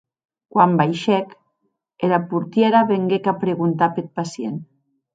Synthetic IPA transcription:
kwambajʃɛk | elapuɾt̪jeɾaβeŋɡekapɾeɣunt̪apet̪̚pasjen

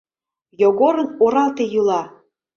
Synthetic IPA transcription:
joɣoɾənoɾɑlt̪ejylɑ

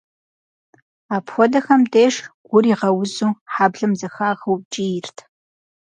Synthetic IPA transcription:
aːpxʷɔdɐxɐmdeːʂɡ̥ʷʊriːʁɐwʊzuːħaːbɮɨmzɐxaːʁɐw̚t͡ʃʼijɪrtʰ

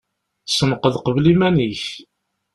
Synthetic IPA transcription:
sənqəðqəvlimæniç

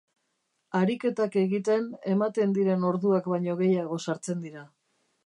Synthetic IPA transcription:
aɾike̞t̪ake̞ɣit̪e̞ne̞mat̪e̞nd̪iɾe̞no̞ɾðuakβajɲo̞ɣ̞e̞jaɣ̞o̞saɾt͡se̞nd̪iɾa

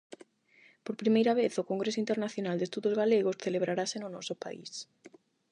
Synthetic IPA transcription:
poɾpɾimejɾaβ̞eθokoŋɡɾesoint̪eɾnaθjonald̪est̪uðozɣaleɣ̞osθeleβ̞ɾaɾasenʊnɔsopa̰ḭs

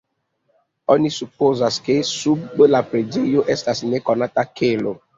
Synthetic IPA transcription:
ɔ̃nisup̚ozaskesubbəlapɾed͡ʒejoʔɛstasinekɔnatakʰelo

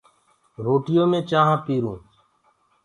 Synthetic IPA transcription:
ɾoːʈɪjõːmẽːt͡ʃaːɦãːpiːɾṵ̃ː

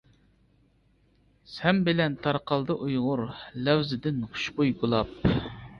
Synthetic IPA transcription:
sɛmbɪlɛnt̪ʰɑɾqɑlˠd̪ɨʔujʁʊɾlɛwzɪd̪ɪnχʊ̥ʃbojɡulˠɑp̚

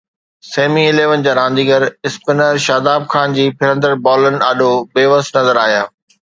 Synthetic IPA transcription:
seːmiɪleːʋənɪ̆d͡ʑaːɾãːnd̪iːɡəɾɪspɪnəɾʃaːd̪aːb̚xʰaːnd͡ʑiːpʰɪɾə̃nd̪əɾbɔːlənɪ̆ɐɗoɓeːʋəst̪nɐzəɾaːɦijaː

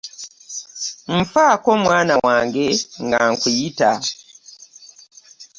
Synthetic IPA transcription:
m̩fako̞mwaːnawaːŋɡe̞ŋɡaŋkwijita

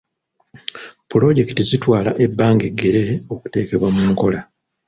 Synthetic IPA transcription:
pulo̞ɟe̞ki̥tizitwaːlaʔe̞bːaːŋɡe̞ɡːe̞ɾeo̞ku̥te̞ːke̞βwamuːŋko̞la

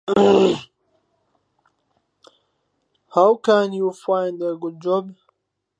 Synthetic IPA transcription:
hawkãnjufãɪndəɡud̚d͡ʒɔb

